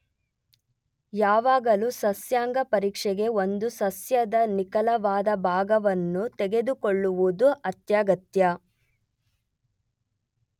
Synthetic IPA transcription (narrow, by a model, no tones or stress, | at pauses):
jaːʋaːɡɐlusɐsjaːŋɡɐpɐɾiːkʂɛɡe̞o̞nd̪usɐsjɐd̪ɐnikɐlɐʋaːd̪ɐbʱaːɡɐʋɐnːut̪ɛɡe̞d̪ukoɭːuʋud̪uʔɐt̪jaːɡɐt̪jɐ